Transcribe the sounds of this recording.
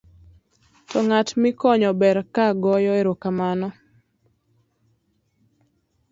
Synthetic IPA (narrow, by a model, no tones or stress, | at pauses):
tɔŋatmɪkɔɲɔbɛɾkaɡɔjɔeɾokamanɔ